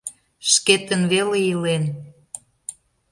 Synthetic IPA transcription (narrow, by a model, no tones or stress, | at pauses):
ʃket̪ənβelejilen